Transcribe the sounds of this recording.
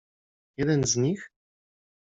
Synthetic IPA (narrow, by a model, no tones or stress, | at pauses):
jɛd̪ɛnzɲix